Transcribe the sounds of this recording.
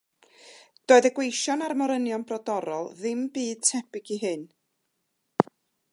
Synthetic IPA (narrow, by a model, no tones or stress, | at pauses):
d̥oːɨðəɡwejʃɔnarmɔɾənjɔnbrɔdɔɾɔlˠðɪmbiːd̥̚tʰɛbɪɡiɦɨn